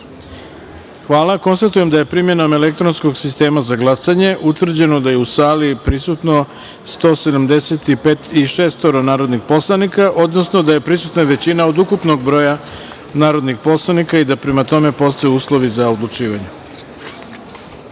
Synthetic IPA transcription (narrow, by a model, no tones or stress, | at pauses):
xʋaːlˠako̞nst̪at̪uje̞md̪ajepɾimjenome̞lek̚t̪ɾo̞nsko̞ɡsist̪e̞ːmazaɡlˠasaɲe̞ʔut̪ʋr̩d͡ʑe̞no̞d̪ajeusaːlipɾisut̪no̞ | st̪o̞ːse̞d̪amd̪e̞set̪ipetiʃeːst̪oɾonaːɾo̞d̪nixpo̞slˠanikaʔo̞d̪nosnod̪aje̞pɾisut̪naʋe̞t͡ɕinaod̪ukupno̞ɡbɾo̞ja | naːɾo̞d̪nixpo̞slˠanikaid̪apɾe̞mat̪o̞me̞po̞st̪ojuuːslˠo̞ʋizaod̪lˠut͡ʂiːʋaɲe